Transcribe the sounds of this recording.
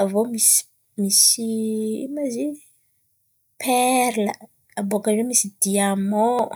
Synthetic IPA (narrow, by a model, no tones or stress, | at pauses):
avomis | misiḭmazi | pʰɛɾlə | abokaɾemisid̪iamɔ